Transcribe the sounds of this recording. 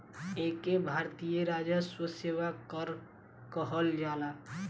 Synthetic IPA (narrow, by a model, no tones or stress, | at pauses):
eːkebʱaːɾt̪ijəɾaːd͡ʒaswəseːwakəɾ | kəɦəld͡ʒaːla